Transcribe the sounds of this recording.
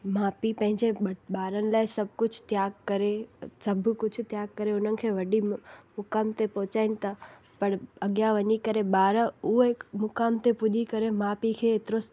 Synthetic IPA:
maːpipɐ̃ɦɪ̃ɲd͡ʑeɓaːɾənɪ̆laːɪsɐb̚ʱkʊd͡ʑʱʰt̪jaːɡkɐɾesɐbʱkʊd͡ʑʰʱʊt̪jaːɡ̚kɐɾeʊnənɪ̆kʰeːʋɐɗimʊkaːmt̪epɔɦʊt͡ɕaːɪnɪ̆t̪ʰɐ | pɐɽ̃ɐɠjaʋɐɲikɐɾeɓaːɾʊɦekmʊkaːmt̪epʊʄikɐɾemaːpikʰeːt̪ɪɾos

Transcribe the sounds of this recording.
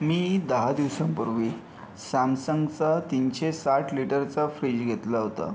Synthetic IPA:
miːd̪əɦad̪iʋsampəɾʋiː | samsəŋɡt͡sat̪inɕesaʈʰliʈəɾt͡safɾiːd͡ʑɡʱet̪laɦot̪a̰

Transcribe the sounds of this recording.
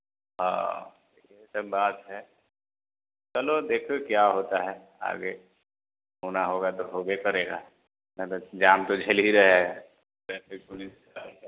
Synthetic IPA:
ɦã̰ːd̪eːkʰisɐbːaːt̪ɦɛ | t͡ʃɐlod̪eːkʰokjaːɦoːt̪aɦɛ | a̰ːɡe | ɦoːnaɦoːɡat̪oɦoːɡekɐɾeːɡa̰ː | nɐ̃t̪od͡ʒaːmt̪od͡ʒʱɐliɾɐɦe | ɛːpɪk̚pʊlis | a

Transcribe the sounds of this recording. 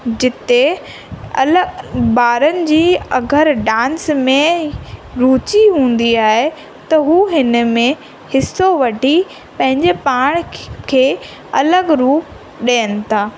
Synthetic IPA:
d͡ʑɪt̪e | ɐ̰ləbaːɾənɪ̆d͡ʑiːɐɡʱəɾɖãːnsmẽ | ɾuːt͡ɕiɦũːn̆d̪iaːɦe | t̪ɐɦuːɦɪnə̆mẽ | hɪsoʋɐʈi | pɐ̃ɦɪ̃ɲd͡ʑepaːɽ̃kʰeː | ɐləɡɾuː | ɗeːənɪ̆t̪ʰaː

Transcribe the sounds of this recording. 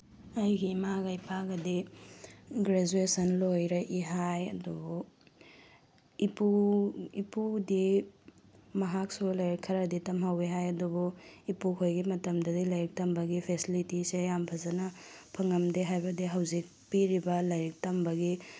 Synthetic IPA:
ɐjɡimaɡajpʰaɡɐdi | ɡɾed͡ʒuesɐnlojɾɐʔiɦajɐ̰dubu | ipuipudi | mɐɦak̚sulɐjɾikʰːɐɾɐditɐmɦɐwiɦajɐdubuipukʰojɡimɐtɐmdɐdilɐjɾik̚tɐmbɐɡipʰesilitisejampʰɐzɐnɐpʰɐŋɐmdeɦajbɐdiɦɐwzik̚piɾibɐlɐjɾik̚tɐmbɐɡi

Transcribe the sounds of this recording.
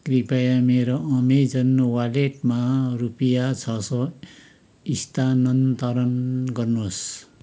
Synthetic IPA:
kripʌjameɾoʌmed͡zʌnːowalekmarupijat͡sʰʌsʌ | ist̪anʌnt̪ʌɾʌnɡʌrnos

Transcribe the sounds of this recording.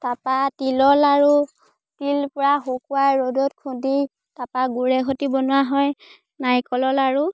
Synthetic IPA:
tapatilɔlaɹu | tilpʊɹaxokuwajɹodɔtkʰudi | tapaɡuɹɛxotibɔnʊwaɦɔj | najkɔlɔlaɹu

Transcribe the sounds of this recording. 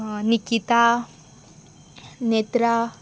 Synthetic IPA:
nikit̪a | net̪ɾa

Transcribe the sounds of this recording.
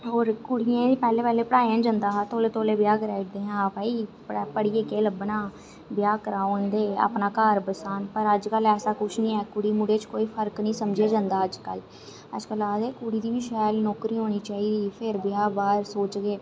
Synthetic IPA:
ɦoːɾkʊɽɪjãːiːpɛːleːpɛːleːpəɽaːjãːd͡ʒə̃nd̪aːat̪oːleːt̪oːleːbjaːkɾɛːʈd̪eːɦãːpəːiːppəɽiːeːkeːləbnãː | bɪjaːkəɾaːõːnd̪eːa̰ːpnaːkaːɾbəsaːnpəɾəd͡ʒkəlɛːsaːkʊt͡ʃʰnĩːɛːkʊɽiːmʊɖeːt͡ʃkoːiːpʰəɾknĩːsəmd͡ʒeːd͡ʒãːnd̪aːəd͡ʒkə̰l | ə̰d͡ʒkəlaːd̪eːkʊɽiːd̪iːbiːʃɛːlnɔːkɾiːɦoːniːt͡ʃaːiːd̪iːpʰɪɾbjaːbaːɾsoːt͡ʃɡeː

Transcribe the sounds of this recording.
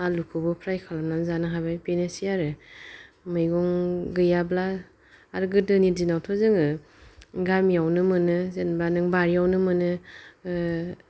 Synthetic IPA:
alukʰɯbɔpʰɾajkʰalamnanzanɯɦabajpenesiaɾɯ | mɯjɡɔŋɡɯjablaː | ɾɡɯdɯniɾdinawtʰɔzɯŋɯ | ɡamijawnɯmɯnɯzenbanɯŋbaɾijawnɯmɯnɯ

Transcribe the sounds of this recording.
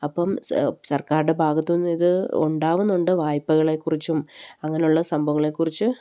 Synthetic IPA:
ɐpːɐmsɐrkaːɾɨɽe̞bʱaːɡɐt̪ːunːiðɨṵɳɖaːʋunːuɳɖɨʋaːjpːɐɣɐɭekːurit͡ɕːumɐŋːɐnejuɭːɐsɐmbʱɐŋːɐɭe̞kːurit͡ɕːɨ

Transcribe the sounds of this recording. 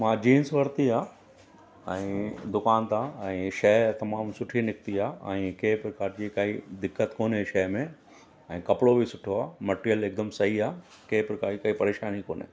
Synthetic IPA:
mãːd͡ʑiːnsʋɐɾt̪iaː | ɛ̃ːd̪ʊkaːnt̪ãːɛ̃ːʃɐɦt̪ɐmaːmsʊʈʰinɪk̚t̪iaːɛ̃ːkeːpɾɐkaːɾd͡ʑiːkaːɦid̪ɪkːət̪koːneʃɐɦmẽ | ɛ̃ːkɐpɽobisʊʈʰoaːmɐʈɾijəleːk̚d̪əmsɐɦiaː | keːpɾɐkaːikɐipɐɾeːʃaːnikoːne

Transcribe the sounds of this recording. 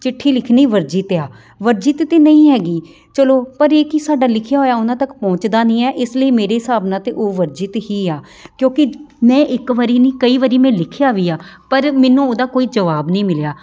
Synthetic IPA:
t͡ʃɪʈʰːiːlɪkʰniːʋəɾd͡ʒit̪ːaː | ʋəɾd͡ʒɪt̪ːeːnəĩːɦɛːɡiː | t͡ʃəloːpəɾeːkɪsaːɖaːlɪkʰjaːɦoːjaːʊnãːt̪əkpɔ̃ːt͡ʃd̪aːnĩːɛːʔɪsləiːmeːɾeːɪsaːbnãːt̪eːʔoːʋəɾd͡ʒɪt̪ɦiːaː | kjõːkɪmɛ̃ːʔɪkʋəɾiːnĩːkəiːʋəɾiːmɛ̃ːlɪkʰjaːʋiːaːpəɾmɛːnũːoːd̪aːkoːiːd͡ʒəʋaːbnĩːmɪljaː

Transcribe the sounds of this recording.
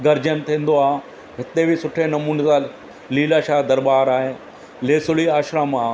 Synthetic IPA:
ɡɐɾd͡ʑənt̪ʰĩːnd̪oaː | ɦɪt̪ebʱisʊʈʰenɐmuːnet̪a | liːlaːʃaːd̪ɐɾbaːɾaːɦe | leːsʊliaːʃɾãmã

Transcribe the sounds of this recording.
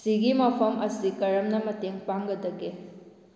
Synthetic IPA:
siɡimɐpʰɐmɐsikɐɾɐmnɐmɐteŋpaŋɡɐdɐɡe

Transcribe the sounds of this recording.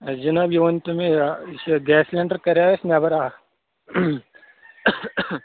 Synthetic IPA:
d͡ʒɐnaːbjuʋɐnt̪ɐmẽsɡɛːslɛ̃ːɳɖəɾkɐɾaɪsnaːbɐɾaː

